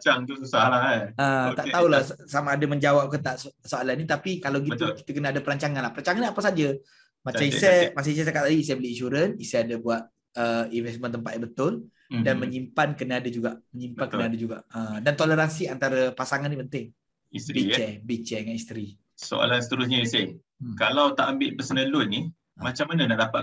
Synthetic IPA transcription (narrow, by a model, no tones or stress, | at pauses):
t͡ʃaŋusaət̪aʔt̪aulasamaːdaməɲd͡ʒawap̚kət̪aʔssoalanːit̪apikalawɡit̪uki̥t̪əkənaadapəɾaɲt͡ʃaŋanlahpəɾaɲt͡ʃaŋaniapasad͡ʒa | mat͡ʃamisɛmas̬ais̬ɛt̪akat̪ːadiːs̬ɛbəliinʃuɾənisɛadabuat̪̚ | əinvɛst̪mə̃nt̪əmp̬at̪̚jabət̪ʊl | danməɲimpankənaadəd͡ʒuɡaʔməɲimpankənaadad͡ʒuɡa̰ʔədant̪oləɾansiant̪aɾəpasaŋanːipənt̪ɪŋ | ist̪ɾbiɛbit͡ʃɛŋanist̪ɾi | so̰a̰lansə̥t̪əɾʊs̬ɲaise | kalawt̪aʔambɪʔpəsənə̃lʊnːi | mat͡ʃamːanənaʔdapaʔ